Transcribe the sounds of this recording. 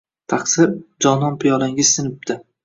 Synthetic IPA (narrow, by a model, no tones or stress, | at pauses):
t̪ʰaqsɪɾd͡ʒɒnɒnpʰɪjɒlaŋʲɪz̥sɪnɪp̚d̪ɪ